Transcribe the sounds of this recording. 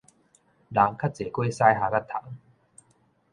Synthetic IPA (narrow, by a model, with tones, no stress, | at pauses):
la˨˦ŋkʰa˦˥t̚t͡seː˨˩kwe˦sa˥jɦa˨˩ka˦˥t̪ʰa˨˩˦ŋ